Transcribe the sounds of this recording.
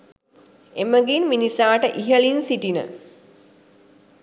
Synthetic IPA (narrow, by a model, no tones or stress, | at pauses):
eməɡinminisaːʈəʔiɦəɭinsiʈinə̰